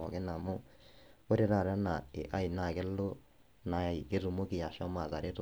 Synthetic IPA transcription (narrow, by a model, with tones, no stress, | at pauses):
ɔ̰˨ɣe˦na˨mo˦ | o˦ɾe˨ɾa˨ɾa˦na˨e˨ʔa˦i˨na˨ɣe˦lo˦ | na˨i˨ke˦ɾu˨mo˦ki˨ja˨ʃɔ˦ma˨ða˨ɾe˦ɾo